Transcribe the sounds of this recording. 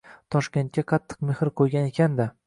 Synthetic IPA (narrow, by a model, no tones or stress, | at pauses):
t̪ʰɒʃkʲe̞nt̪̚kʲaqʰɑt̪ʰːɨ̥qmehɾɪqʰojɡʲane̞kʲʰand̪ɪ